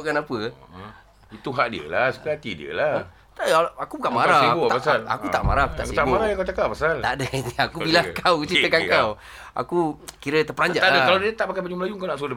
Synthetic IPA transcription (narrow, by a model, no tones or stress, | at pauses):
ʔkanapə | it̪uɦaʔdiə̰lasəkat̪idḭə̰la | t̪aakubukaʔmaɾaibupasala̰kut̪aʔma̰ɾahakut̪akuit̪aʔmmaɾahjaŋkawt͡ʃakaʔpasalt̪adəakubilakawt͡ʃit̪əkankaw | a̰kukiɾət̪əpəɾaɲd͡ʒaʔ̪adəkaladiət̪aʔpakajbad͡ʒuməlajuŋkawnaʔsodə